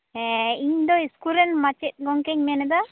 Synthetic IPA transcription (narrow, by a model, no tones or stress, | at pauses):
ɛiɲd̪ɔiskuɾɛnmat͡ʃɛt̪̚ˀɡɔŋkɛɲmɛnɛd̪ɔ